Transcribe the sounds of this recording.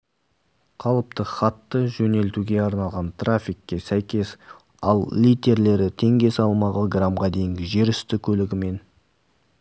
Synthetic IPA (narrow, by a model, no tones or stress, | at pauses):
qʰɑlˠəp̚t̪əχɑt̪ːəʒɵne̞lt̪uɡʲe̞ɑɾnɑlˠʁɑnt̪ʰrafʲikːʲe̞sæjkʲe̞s | ɑlˠlijt̪e̞ɾle̞ɾɪt̪ʰe̞ŋɡʲe̞sɑlˠmɑʁəɡramʁɑd̪e̞jɪŋɡʲɪʒe̞ɾʏst̪ɪkʲʰɵlɪɡʲɪme̞n